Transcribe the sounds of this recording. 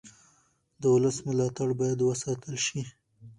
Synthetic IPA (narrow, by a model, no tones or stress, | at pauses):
d̪əwʊləsmʊlɑt̪aɽbɑjad̪wəsɑt̪əlʃi